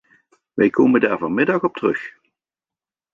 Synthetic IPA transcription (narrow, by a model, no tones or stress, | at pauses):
ʋɛjkʰowməndaːɹvɑnmɪdɑχɔp̚tərɵx